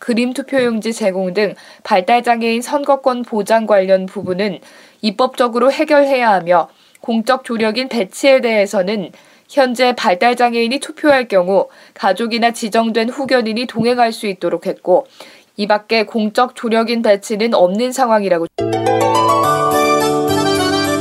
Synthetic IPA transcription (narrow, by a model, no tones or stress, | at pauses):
kɯɾimtʰupʰjojoŋd͡ʑit͡ɕe̞ɡoŋdɯŋ | paɭt͈aɭd͡ʑaŋe̞insʰʌnɡʌk͈wʌnpod͡ʑaŋɡwaʎːʌnpubunɯn | ip͈ʌp̚t͡ɕ͈ʌɡɯɾohe̞ɡjʌɭɦe̞jaɦamjʌ | koŋt͡ɕ͈ʌk̚t͡ɕ͈oɾjʌɡinpe̞t͡ɕʰie̞de̞ɦesʰʌnɯn | çjʌnd͡ʑe̞paɭt͈aɭd͡ʑaŋe̞iɲitʰupʰjoɦaɭk͈jʌŋu | kad͡ʑoɡinat͡ɕid͡ʑʌŋdwe̞nɸuɡjʌniɲitoŋɦe̞ŋɦaɭs͈uit̚t͈oɾokʰhe̞t̚k͈o | ibak̚k͈e̞koŋt͡ɕ͈ʌk̚t͡ɕ͈oɾjʌɡinpe̞t͡ɕʰinɯnʌmnɯnsʰaŋɦwaŋiɾaɡo